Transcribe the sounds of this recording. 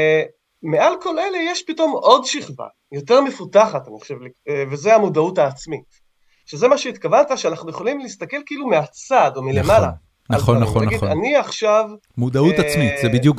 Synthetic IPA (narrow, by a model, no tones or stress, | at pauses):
mealko̞le̞lejeʃpito̞mo̞dʃiχva̰ | jo̞te̞ʁme̞futaχataniχaʃevlivezeamudautaːt͡smit | ʃeze̞maʃeit̪kavant̪aʃeanaχnuje̞χolimliist̪ake̞lkiilumeat͡sadomilemala | naχonaoanɡia̰niaχʃav | mud̪aut̪at͡smitzebid̪juk